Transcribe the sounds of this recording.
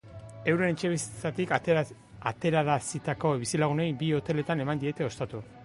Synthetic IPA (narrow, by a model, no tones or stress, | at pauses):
e̞wɾe̞net͡ʃe̞βisit͡s̪at̪ik | at̪e̞ɾaɾasit̪ako̞βisilaɣ̞unejbio̞t̪e̞le̞t̪ane̞mand̪ie̞t̪e̞o̞st̪at̪u